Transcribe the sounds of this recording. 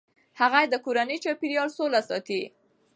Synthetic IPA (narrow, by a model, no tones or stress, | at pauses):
haɣajed̪əkoɾanəjt͡ʃɑpiɾjɑlsolasɑt̪i